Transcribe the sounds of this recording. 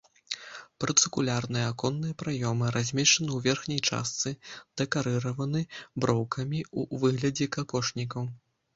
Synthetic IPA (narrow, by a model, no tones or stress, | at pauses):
pɾɨt̪sɨkulʲarnɨjɛakɔnːɨjɐpɾajɔmɨɾazʲmʲɛt͡ʂɐnɨwvʲɛrxnʲɐjt͡ʂa̰st̪sɨd̪̥ɛkaɾɨɾɐvɐnɨbɾɔwkʰɐmʲiṵvɨɣlʲɐd͡zʲɛkakɔʂnʲikɐw